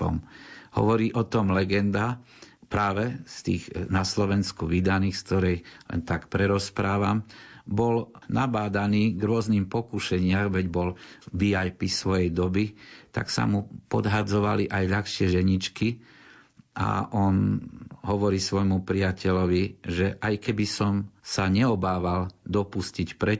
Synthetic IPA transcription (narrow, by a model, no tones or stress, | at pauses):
ɔ̰mhɔ̰ʋɔɾiːʔɔt̪ɔmlɛɡɛnd̪a | pɾaːʋɛst̪iːɣnaslɔʋɛnskuʋid̪aniːxsk̚t̪ɔɾɛjlɛ̰nt̪akpɾɛɾɔspɾaːʋambɔlnabaːd̪aniːɡɾʊɔzniːmpɔkuʃɛɲɪamʋɛɟbɔlbiajpisʋɔjɛjd̪ɔbit̪a̰ksa̰mupɔd̪ɦad͡zɔʋaliʔajʎaxʃɪɛʒɛɲit͡ʃki | ʔa̰ʔɔnɦɔʋɔɾiːsʋɔjmupɾiacʰɛʎɔʋiʒɛʔajkɛbisɔmsaɲɛɔbaːʋald̪ɔpuscicpɾɛ